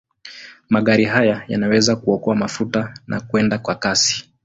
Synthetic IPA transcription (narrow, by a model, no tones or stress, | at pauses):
maɠaɾiɦajajanawɛzakuɔkɔamafutanʔa̰kuɛndakwakasi̥